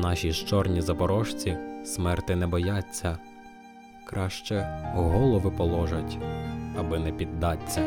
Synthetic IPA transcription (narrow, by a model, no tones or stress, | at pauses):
nɑʃʲiʃt͡ʃɔrnʲizɐpɔɾɔʃt͡sʲismɛrt̪ɪnɛbɔjɑt͡sʲːɐ | kɾɑʃt͡ʃɛɦɔlˠɔʋɪpɔlˠɔʒɐtʲɐbɪnɛpʲid̪ːɑt͡sʲːɐ